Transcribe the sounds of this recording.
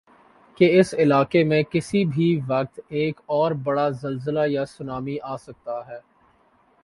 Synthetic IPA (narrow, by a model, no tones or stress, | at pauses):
keɪsɪlaːkemẽkɪsibʱiʋɐk̚t̪eːkɔːɾbɐɽazɐlzəlajasʊnaːmiʔaːsɐk̚t̪aɦɛː